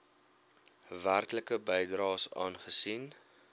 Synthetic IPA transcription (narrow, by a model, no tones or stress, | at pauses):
værkləkəbəjdrɑːsɑ̰ːnχəsin